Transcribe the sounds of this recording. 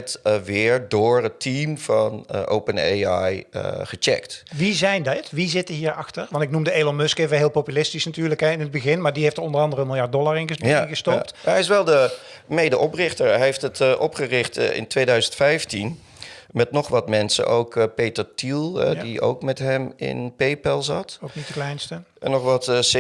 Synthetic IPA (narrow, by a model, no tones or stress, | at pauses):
tʋɪːɹdʊːɹətːimvɑnʔo̰wpəneajə̰χət͡ʃɛ̰ktʋizɛjndɪtʋizɪtəɦiːɹɑxtəɹʋɑntɪk̚numdəeːlɔnmɵskevəɦɪːlˠpowpylɪstisnatyːɹləkɛɪnɦəd̚bəɣɪnmaːɹdiɦejftəɹɔndərɑndərənmɪlˠjɑɹt̚dɔlˠaɹɪnəɣəstɔp̚tɛjɪsʋɛlˠdə | mejdəʔɔprɪχtəɹɦeftətʔɔpχərɪχtɪ̰ntʋejdœɥzəntfɛjftin | mɛtnɔχʋɑtmɛnsə̰ʔowkpejtəɹtilˠɛ̰dio̰wkmɛtɦɛmɪ̰npejpɛlˠzɑ̰towknitdəklɛjnstə | ɛnːɔχʋɑts